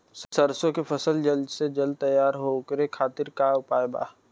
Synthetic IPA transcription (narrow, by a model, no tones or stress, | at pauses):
ssəɾsõkepʰəsəld͡ʒəlsed͡ʒɐl̚t̪əjːaːɾɦokəɾekʰaːt̪ɪɾkaʊpaːeba̰ː